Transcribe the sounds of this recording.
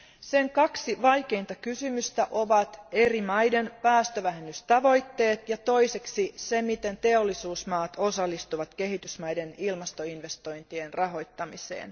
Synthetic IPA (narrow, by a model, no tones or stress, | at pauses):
se̞ŋkɑksiʋɑjke̞int̪ɑkysymyst̪æʔo̞ʋɑt̪e̞rimɑjde̞npæːst̪øʋæɦenːyst̪ɑʋo̞jt̪ːe̞ːt̪jɑt̪o̞jse̞ksise̞mit̪e̞nt̪e̞o̞lːisuːsmɑːt̪o̞sɑlːist̪uʋɑt̪ke̞ɦit̪ysmɑjde̞nilmɑst̪o̞inʋe̞st̪o̞jnt̪ie̞nrɑɦo̞jt̪ːɑmisḛːn